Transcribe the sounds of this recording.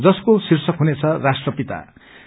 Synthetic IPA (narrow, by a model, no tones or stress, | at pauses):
d͡zʌskosirsʌkɦunet͡sʰʌrasʈrʌpit̪a̰